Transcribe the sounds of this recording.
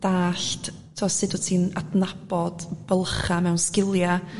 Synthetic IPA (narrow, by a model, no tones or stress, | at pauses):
d̥aːɬt | tʰɔsɨdətʰiːnadnab̥ɔd̥b̥əlˠχamɛwnskɪlˠja